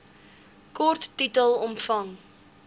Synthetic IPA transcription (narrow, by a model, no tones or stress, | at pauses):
kɔrtːitəlˠɔmfɐŋ